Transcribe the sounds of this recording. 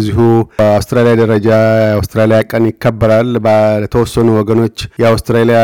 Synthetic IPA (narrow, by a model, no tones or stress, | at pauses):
zːihuəawst̪ɾalijad̪əɾəd͡ʒaawst̪ɾalijakʼənjɪkːəbːəɾalblət̪ʰəwɔsːənuwɔɡəno̞t͡ʃːjɛawst̪ɾalija